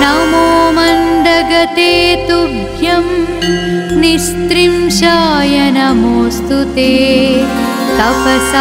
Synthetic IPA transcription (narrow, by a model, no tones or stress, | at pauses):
nɐmoːmɐnd̪ɐɡɐt̪eːt̪ubʱjɐm | nist̪ɾimʃaːjɐnɐmoːst̪ut̪eː | t̪ɐpɐsa